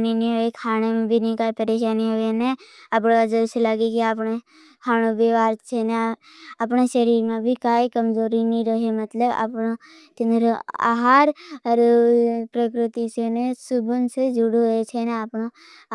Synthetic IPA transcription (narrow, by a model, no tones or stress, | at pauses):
ninĩɦoekʰaːnemẽbʱinĩkaːipəɾeʃaːniɦoenẽapɽad͡ʒəɾselaːɡekiapɽe | kʰaːñobʱeʋaːɾt͡ʃʰene | apɳeʃəɾiːɾmẽbʱikaːikəmd͡ʒoːɾinĩɾəɦemət̪ləba̰pno | t̪ɪnd̪ɾoa̰ɦaːɾəɾpɾəkɾɪt̪isenesʊbənsed͡ʒʊɽoet͡ʃʰeneapno